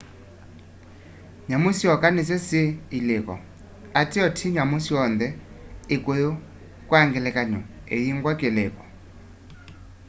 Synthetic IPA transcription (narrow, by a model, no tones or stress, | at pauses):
ɲamʊsiɔkʼanɪsesɪilɪkʼɔ̰ | atʼɪɔtʰɪɲamʊsiɔnd̪ɛ | ɪkʼʊʊ | kʼwaŋɡɛlɛkʼaɲɔ | ḛjiŋ̩kʼwakʼɪlɛːkʼɔ̥